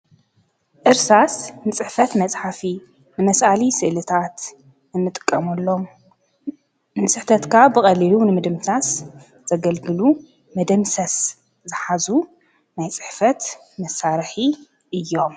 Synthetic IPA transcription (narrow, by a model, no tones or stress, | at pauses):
ʔɨɾsasnɨt͡sʼɨħfɐt̪mɐt͡sʼħafi | nɨmɐsʔalisɨʔlɨt̪ʰat̪ | ʔɨnːɨt̪ʼɨ̥kʼːɐmɐlːo̞m | nɨsʼɨħt̪ʰɐt̪kʰabɨkʼɐlːilunɨmɨd̪ɨmsas | z̥ɐɡɐlɡɨlu | mɐd̪ɨmsɐs | zɨħazu | najt͡sʼɨ̥ħfɐt̪ | mɐsːaɾħi | ʔɨjːo̞m